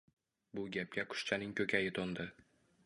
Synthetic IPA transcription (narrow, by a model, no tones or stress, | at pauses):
bʊɡʲap̚kʲaqʰʊ̥ʃt͡ʃʰanɪŋkʲʰɵkʲʰajɪt̪ʰɒnd̪ɪ